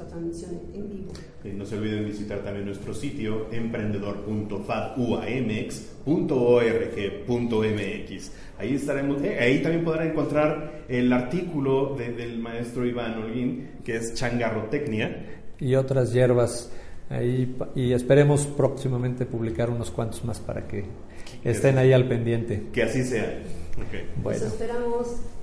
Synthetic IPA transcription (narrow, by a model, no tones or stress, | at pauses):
at̪ɾanzmisjon | embiβo | eno̞seo̞lβiðembisit̪aɾt̪ambje̞nːwe̞st̪ɾo̞sit̪jo̞empɾe̞nd̪e̞ðo̞ɾpunt̪o̞faðuaemeeks | punt̪o̞oerexepunt̪oemeekis | aiest̪aɾemoeait̪ambje̞npo̞ðɾaeŋko̞nt̪ɾaɾ | elaɾt̪ikulo̞ðeðelmae̞st̪ɾo̞iβanoɾɣin | keest͡ʃaŋɡaro̞t̪e̞knjaio̞t̪ɾazʝe̞ɾβasa̰iie̞spe̞ɾe̞mo̞spɾoksimamẽnt̪e̞puβlikaɾuno̞skwant̪ozmaspa̰ɾa̰ke̞ː | st̪e̞naialpe̞nd̪je̞nt̪e̞ke̞asise̞aokḛjbwḛsnospeɾamos